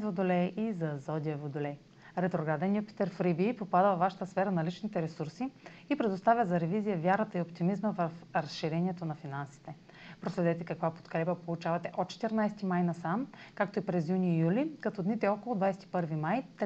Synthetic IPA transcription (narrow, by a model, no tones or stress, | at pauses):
vod̪olɛʔizɐzɔd̪ʲiəvod̪olɛ | ɾɛt̪ɾoɡɾad̪ɛnjupi̥t̪ɛɾfɾibiːpopad̪əvaʃə̥t̪əsfɛɾənɐlit͡ʃnit̪ɛɾɛsuɾsiipɾɛd̪ost̪avʲjəzɐɾɛvizijəvjaɾət̪əiopt̪imizməvəfɾɐsʃiɾɛnʲiɛt̪onɐfinansi̥t̪ɛ | pɾoslɛd̪ɛt̪ɛkɐkvapo̥t̪kɾɛpəpolˠut͡ʃavɐt̪ɛʔot̪̚t͡ʃɛ̥t̪əɾnajsɛt̪imajnɐsamkak̚t̪oipɾɛzjunijulikɐt̪ɔd̪nit̪ɛɔkolˠod̪vajsɛt̪i̥pɤɾvimajt̪